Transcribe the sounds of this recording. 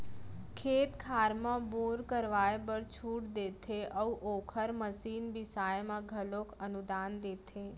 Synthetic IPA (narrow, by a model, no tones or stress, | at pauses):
kʰeːt̪kʰaɾmãboɾkəɾʋajebəɾt͡ʃʰuːʈd̪et̪ʰeʔəuʔokʰəɾməsiːnbɪsajmãɡʱəlokʰənud̪aːnd̪eːt̪ʰe